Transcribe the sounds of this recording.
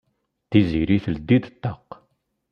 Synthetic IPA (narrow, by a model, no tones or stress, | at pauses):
θiziɾiθəld̪ːid̪t̪ːɑq